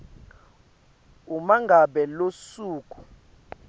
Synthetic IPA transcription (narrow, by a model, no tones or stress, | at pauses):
umaŋɡʱaɓɛlosuːkʼu̥